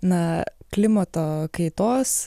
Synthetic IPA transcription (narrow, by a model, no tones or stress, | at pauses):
nɐklʲɪmɐt̪oːkɐɪt̪oːs